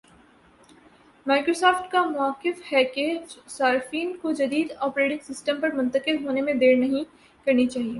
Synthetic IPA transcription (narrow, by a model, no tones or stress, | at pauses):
maːkɾoːsɔːfʈkamʊaːkːɪfhɛked͡ʒsaːɾɪfiːnkod͡ʒɐd̪iːd̪ɔːpɾeːʈɪ̃ŋɡsɪsʈə̃mpɐɾmʊ̃nt̪əkɪlɦoːnemẽd̪eːɾnɐɦĩ | kɐɾnit͡ʃaːɦieː